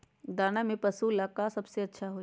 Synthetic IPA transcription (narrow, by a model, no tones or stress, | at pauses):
d̪aːnamẽpɐsulakasɐbseɐtːʃʰaɦoː